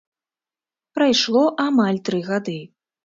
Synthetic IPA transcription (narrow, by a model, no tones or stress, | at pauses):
pɾajʂlˠɔʔamalʲt̪ɾɨɣad̪ɨ